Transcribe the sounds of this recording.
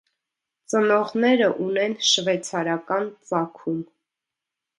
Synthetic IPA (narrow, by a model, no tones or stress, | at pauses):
t͡sənɔʁnɛɾəʔunɛnʃvɛt͡sʰɑɾɑkɑnt͡sɑkʰum